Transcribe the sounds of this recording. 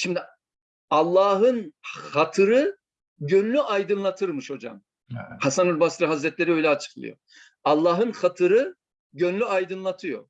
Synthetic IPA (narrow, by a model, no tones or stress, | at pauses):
ʃimd̪i | alˠːaːɦɯnhat̪ʰɯɾɯ | ɟønlʲyʔajd̪ɯnlˠat̪ʰɯɾmɯʃho̞d͡ʒa̰m | hasanɯɾbasɾɯɦazɾɛt̪lʲeɾiø̞jlʲɛat͡ʃʰɯ̥klˠɯ̰jo̰ | alˠːaːɦɯnxat̪ʰɯɾɯ | ɟønlʲyajd̪ɯnlˠat̪ʰɯjo̰